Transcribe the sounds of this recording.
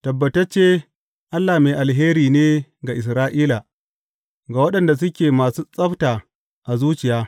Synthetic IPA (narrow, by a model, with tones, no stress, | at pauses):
tɐ˨bːɐ˨tɐ˦t͡ʃeː˦ | ʔa˦lːa˨meː˨ʔa˨lɦeː˦ɾiː˨neː˦ɡa˨ʔɪ˨s̬ɾaː˦ʔiː˦la˨ | ɡaː˨wɐ˦ɗɐ˨nda˨s̬ʊ˦kʲeː˨maː˨suː˦sʼɐ˦ɸtaː˨ | ʔa˨zuː˦t͡ʃɪ˨jaː˦